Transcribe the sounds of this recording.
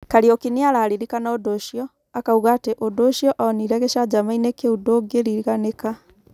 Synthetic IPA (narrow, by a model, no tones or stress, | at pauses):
kaɾiɔkiniaɾaːɾiɾikanaodoʃiɔ | akauɣaːteʔodoʃijɔʔaɔniɾɛɣɛʃad͡ʑamainekeudoɡeɾiɣaneka